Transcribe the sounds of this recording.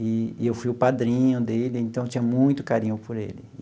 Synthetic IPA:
ɪewfujʊpad̪ɾĩɲʊd̪elɪẽt̪ɐ̃w̃et͡ʃĩɲɐmũj̃t̪ʊ̥kaɾĩɲʊpoɾḛlɪ

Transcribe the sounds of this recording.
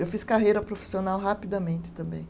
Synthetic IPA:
ewfiskaɦejɾɐpɾofi̥sionawɦapid̪ɐmẽnt͡ʃɪ̥t̪ɐ̃mbḛ̃j̃

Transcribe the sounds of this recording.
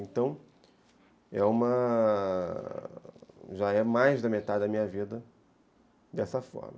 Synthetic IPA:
ẽnt̪ɐ̃w̃ | ɛ̰ũmɐ | ʒaɛmajzd̪ɐmet̪ad͡ʒ̪ɪd̪ɐmĩɲɐvid̪ɐ | d̪ɛsɐfɔ̰ɾmɐ

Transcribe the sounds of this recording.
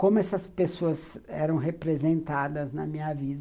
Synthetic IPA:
kõmʊɛsɐspesoɐzɛɾɐ̃w̃ɦepɾezẽnt̪ad̪ɐznɐmĩɲɐvid̪ɐ

